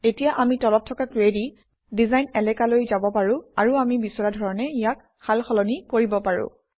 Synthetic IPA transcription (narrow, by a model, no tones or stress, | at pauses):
etijaʔamitɔlɔp̚tʰɔkakɹedi | dizajnɛlɛkalojzabɔpaɹʊ̃a̰ɹuamibisɔɹadʱɔɹɔnɛijak | xalxɔlɔnikoɹibɔpaɹʊ̰̃